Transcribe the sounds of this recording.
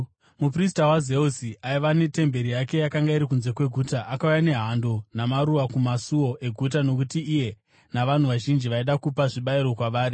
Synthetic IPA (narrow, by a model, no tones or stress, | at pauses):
mupris̬tawaze̞usiʔaiʋane̞te̞mbe̞ɾijake̞jakaŋɡaiɾik̬unze̞kwe̞ɡʱuːtaʔakaujane̞ɦando̞namaɾuʋakumasuo̞ʔe̞ɡʱut̬ano̞k̬utiːje̞ | naʋan̤uʋaʒind͡ʒiʋaiɗakupaʐiɓaiɾo̞kwaʋaːɾi